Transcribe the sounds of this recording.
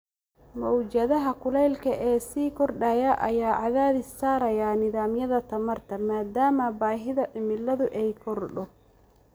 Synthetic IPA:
mɔwt͡ʃɐðɐɦɐkʰʊlɛjlkʰɐʔɛːsiːkʰɔrɖɐjɐʔɐjaːʕɑðaːðɪst̪aːɾɐjanɪðaːmjɐðɐt̪ʰɐmɐrt̪ʰɐmaːd̪aːmɐbaːɦɪðɐʔɪmɪlːɐðʊʔɛjkʰɔrɖɔ

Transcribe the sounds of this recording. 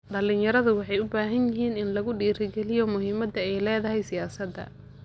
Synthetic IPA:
ɖɐlɪnjɐɾɐðʊwɑħɑjʊbaːɦɐnjɪɦiːnɪnlɐɣʊɖiːɾɪɡɛlɪjɔmʊɦiːmɐd̪ɐɛjlɛːðɐɦɛjsɪjaːsɐd̪ːɐ̰

